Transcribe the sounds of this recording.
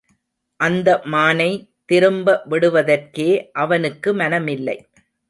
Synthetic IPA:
ʔɐnd̪ɐmaːnɐɪt̪ɪɾɯmbɐʋɪɽɯʋɐðɐrkeːʔɐʋɐnɯkːɯmɐnɐmɪlːɐ̰ɪ

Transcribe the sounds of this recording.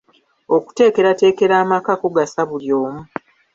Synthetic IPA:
o̞ku̥te̞ːke̞ɾate̞ːke̞ɾaːmakakoɡasaβuljo̞ːmu

